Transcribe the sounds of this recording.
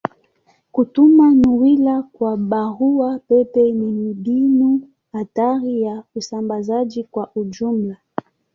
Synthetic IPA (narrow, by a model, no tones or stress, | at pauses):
kutumanuwilakwaɓaɣuwapɛpɛnimiɗinu | hataɾijausambazad͡ʒikwaʔud͡ʒumla